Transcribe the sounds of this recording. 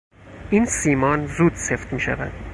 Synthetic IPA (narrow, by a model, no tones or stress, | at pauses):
ʔinsiːmɒnzuːd̪se̞ft̪miːʃæ̰væ̰d̪̥